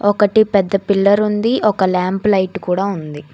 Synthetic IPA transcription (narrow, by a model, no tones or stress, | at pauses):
ɔkɐʈipɛd̪ːɐpilːɐɾund̪iʔɔkɐlaːmplɐjʈkuːɽaːund̪i